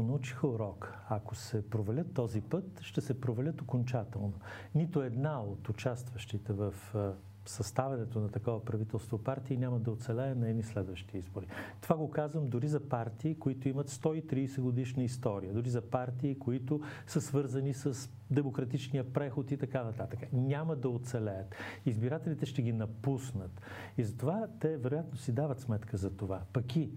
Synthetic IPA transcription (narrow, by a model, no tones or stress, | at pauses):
onɐut͡ʃi̥xəuɾɔk | akosɛpɾovɛlʲət̪ːɔzipɤt̪ʃt̪ɛsɛpɾovɛlʲət̪okont͡ʃat̪ɛlˠno | nit̪oɛd̪naot̪ʊt͡ʃast̪vəʃt̪it̪ɛvəf | sɐst̪avɛnɛt̪onɐt̪ɐkɔvəpɾɐvit̪ɛlˠst̪vopaɾt̪iːnʲamɐd̪ɐot̪sɛlɛːnɐɛnislɛd̪vəʃt̪iizboɾit̪ovaɡokazvəmd̪ʊɾizɐpaɾt̪iːkoit̪ʊimət̪st̪ɔit̪ɾiːsɛɡod̪iʃnəist̪ɔɾijəd̪ʊɾizɐpaɾt̪iːkoit̪ʊsəsvɤɾzənisəs | d̪ɛmokɾɐt̪it͡ʃnijəpɾɛxot̪it̪ɐkanɐt̪at̪əkənʲaməd̪ɐot̪sɛlɛət̪izbiɾat̪ɛlit̪ɛʃt̪ɛɡʲinɐpusnət̪ | izɐt̪ovat̪ɛvɛɾojat̪nosid̪avət̪smɛt̪kəzɐt̪ovapɐki